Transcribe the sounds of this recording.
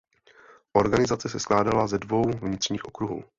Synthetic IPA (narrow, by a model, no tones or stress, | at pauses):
ʔo̞ɾɡanɪzat͡sɛsɛsklaːdalazɛdvo̞wvɲɪt̪r̝̥ɲiːxʔokɾuɦṵː